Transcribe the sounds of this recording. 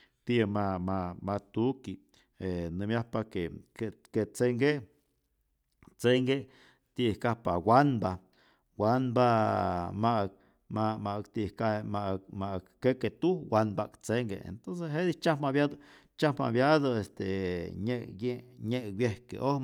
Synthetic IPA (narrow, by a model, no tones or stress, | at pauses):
t̪imamamat̪uki | enɨmjahpakekeket͡seŋɡe | t͡seŋɡe | t̪iʔhkahpawanba | wanbamaʔk̚ | mamaʔkt̪ihkahemamaʔkːeket̪uwanbakt͡seŋɡḛḛnt̪ons̬esɦed̪it͡ʃahmaβjad̪o | t͡ʃahma̰βjaðoest̪eɲejeɲeʔwjehkḛʔoh